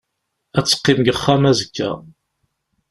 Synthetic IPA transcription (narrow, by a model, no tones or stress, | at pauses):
æt͡sːə̥qːɪmɡəχːæmæzəkːæ̰